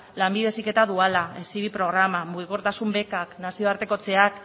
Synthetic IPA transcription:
lambið̞e̞sike̞t̪aðualaesiβipɾo̞ɣ̞ɾamamuɣiko̞ɾt̪asumbe̞kaknasio̞aɾt̪e̞ko̞t͡se̞ak

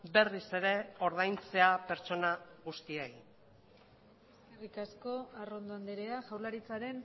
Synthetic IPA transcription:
be̞rise̞ɾe̞o̞ɾðajnt͡se̞ape̞ɾt͡so̞naɣust̪iei | eske̞rikasko̞aro̞nd̪oand̪eɾeaʝawɾlaɾit͡saɾe̞n

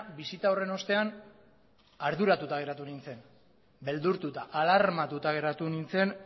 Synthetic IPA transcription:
bisit̪aore̞no̞st̪e̞an | aɾðuɾat̪ut̪aɣ̞e̞ɾat̪unint͡se̞n | be̞ld̪uɾt̪ut̪aʔalaɾmat̪ut̪aɣ̞e̞ɾat̪unint͡se̞n

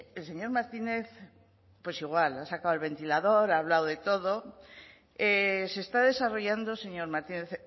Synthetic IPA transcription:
else̞ɲo̞ɾmaɾt̪ineθ | pwesiɣwalasakawalβ̞e̞nt̪ilaðoɾaβ̞lawðe̞t̪oðo | esest̪aðe̞saroʝand̪oseɲoɾmaɾt̪ineθ

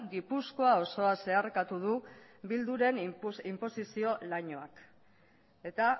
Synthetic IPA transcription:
ɡipusko̞ao̞so̞ase̞aɾkat̪uð̞ubild̪uɾe̞nimpo̞sisio̞laɲoak | e̞t̪a

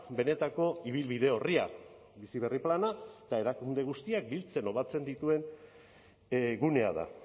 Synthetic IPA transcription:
be̞ne̞t̪ako̞iβ̞ilβiðe̞o̞ria | bisiβ̞e̞riplanaet̪ae̞ɾakund̪e̞ɣ̞ust̪iak̚bilt͡se̞no̞βat͡se̞nd̪it̪ue̞n | ɡune̞a̰ða̰

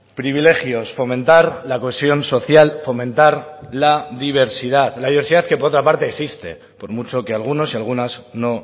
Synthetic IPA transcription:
pɾiβ̞ile̞xjo̞sfo̞mẽ̞nt̪aɾlakoesjo̞nso̞θjalfo̞mẽ̞nt̪aɾlaðiβ̞e̞ɾsið̞aðlaðiβɾsiðaðke̞poɾot̪ɾapaɾt̪e̞ːksist̪e̞̰ | po̞ɾmut͡ʃo̞kealɣ̞uno̞sialɣ̞unasno̞

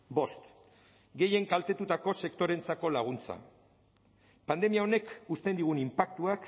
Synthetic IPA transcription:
bo̞st̪ | ɡe̞je̞ŋkalt̪e̞t̪ut̪ako̞se̞kt̪o̞ɾe̞nt͡sako̞laɣ̞unt͡sa̰ | pand̪e̞miao̞ne̞kust̪e̞nd̪iɣ̞unimpakt̪uak

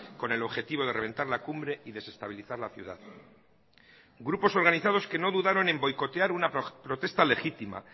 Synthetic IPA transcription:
ko̞ne̞lo̞βxe̞t̪iβ̞o̞ðe̞ree̞nt̪aɾlakumbɾe̞iðe̞se̞st̪aβ̞iliθaɾlaθjṵða̰ð | ɡɾupo̞so̞ɾɣaniθað̞o̞ske̞no̞ðuðaɾo̞ne̞mbo̞jko̞t̪eaɾunapɾo̞t̪e̞st̪ale̞xit̪ima̰

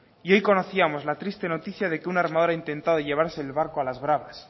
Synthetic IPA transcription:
io̞jko̞no̞θiamo̞zlat̪ɾist̪e̞no̞t̪iθjað̞e̞keunaɾmað̞oɾaint̪e̞nt̪aðoʝe̞βaɾse̞ːlβaɾkoalazβɾaβas

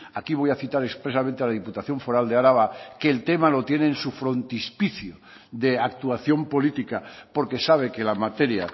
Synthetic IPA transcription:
akiβ̞o̞jaθit̪aɾekspɾesamẽnt̪ealaðiput̪aθjo̞ɱfo̞ɾald̪eaɾaβakeːlt̪e̞malo̞t̪je̞ne̞ːnsufɾo̞nt̪ispiθjo | ðe̞ak̚t̪uaθjo̞mpo̞lit̪ikapo̞ɾke̞saβ̞e̞ke̞lamat̪e̞ɾja

